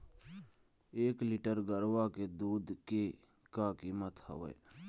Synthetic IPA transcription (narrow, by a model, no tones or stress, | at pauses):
eːkliʈəɾɡəɾʋaked̪uːd̪ke | kakiːmət̪hə̰ʋə̰ː